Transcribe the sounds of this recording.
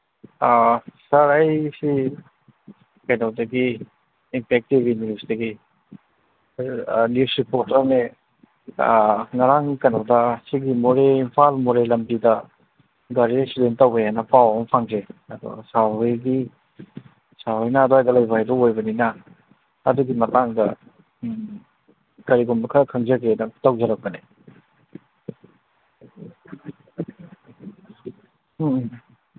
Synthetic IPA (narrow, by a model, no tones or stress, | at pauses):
asaɾajsi | kajnawdɐɡiː | mpʰek̚tibinipsdɐɡi | nipsupɔtanḛ | ŋaɾaŋkajnawdasiɡimoɾeimpʰalmoɾelɐmbidɐ | ɡaɾisudenttːawbejanapawɔmpʰaŋzeɐdɔ̰saɦɯjɡi | saɦɯjnaːdoajdɐlɐjbʱajdɔojbɐninɐ | ɐ̰duɡimɐtaŋdɐ̰ | kɐɾiɡɔmbɐkʰɾkʰɐŋzaɡenɐtawzɐɾɐk̚ːɐne